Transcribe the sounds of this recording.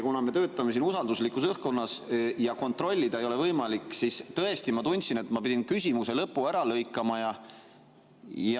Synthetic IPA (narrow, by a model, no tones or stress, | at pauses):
kunɑme̞t̪ø̞ːt̪ːˑɑme̞siːnusɑld̪uslikːˑusɤhko̞nːɑsjɑko̞nt̪ˑro̞lʲːid̪̥ɑe̞jo̞le̞vɤjmɑlikːˑsist̪ɤe̞st̪imɑt̪unʲt̪sine̞t̪mɑpid̪ʲinkysʲimuse̞lɤpːuæɾɑlɤjkːˑɑmɑjɑ | jɑ